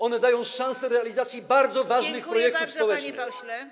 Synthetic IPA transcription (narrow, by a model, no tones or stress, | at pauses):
ɔnɛd̪ajɔ̃w̃ʂãw̃sɛɾɛalʲizat̪sʲjibaɾd̪zɔvaʐnɘxpɾɔjɛk̚t̪ufspɔwɛt͡ʂnɘ̰x